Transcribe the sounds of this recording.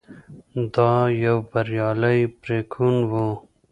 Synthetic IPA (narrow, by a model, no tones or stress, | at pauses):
d̪ɑːjɐwbɐɾjɑːlɐjpɾeːkʰunwo